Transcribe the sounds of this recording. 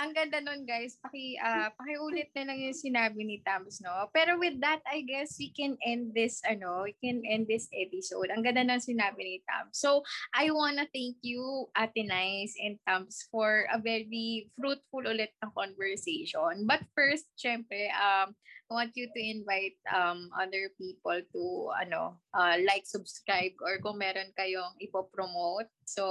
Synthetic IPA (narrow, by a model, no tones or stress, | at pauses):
ʔɐŋɡɐnd̪ɐnonɡajspɐkɪʔapɐkɪʔuːlɪt̪̚nɐlɐŋjʊŋsɪnaːbɪnɪt̪amsnopɛːɾowɪðːɐt̪̚ɐjɡɛswikɛ̃nʔɛnd̪̚ðɪsɐno̞wikɛ̃nʔɛ̃nd̪̚ːɪsʔɛpɪsowd̪ɐŋɡɐnd̪anɐɐŋsɪnaːbɪnɪt̪a̰msːowʔajwanɐθɛ̃ŋkjuʔat̪ɪnajsɛ̃n̚t̪amsfɔɹɐvɛɹifɾut̪̚fʊlʔʊlɛt̪̚nɐŋkɔnvɛɹseʃonbɐt̪̚fɛɹst̪̚ʃɛmpɾɛʔɐmʔajwãnt̪jut̪uɪ̃nvajt̪̚ɐmʔɐ̰ðəɹpiːpɔlt̪uɐ̰no̰ʔɐlajk̚sʊbskɹajb̚ɔɹkʊŋmɛːɾonkɐjoŋɪpopɾomowt̪̚so